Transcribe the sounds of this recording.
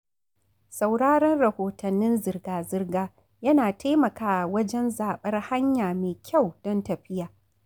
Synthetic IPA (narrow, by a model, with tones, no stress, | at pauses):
sa˨wɽaː˦ɽɐ˦nɽɐ˨hoː˨tʰɐ˨nːɪ˦nzɪ˨rɡaː˨zɪ˦rɡaː˦ | jɐ˦naː˨tʰa˦jmɐ˨kaː˦˨wɐ˦d͡ʒɛ˦nzaː˨ɓɐ˦rha˦ɲjaː˨meː˨kʲʰa˦˨wd̥ɔ˦ntɐ˨ɸɪ˦jaː˨ʔ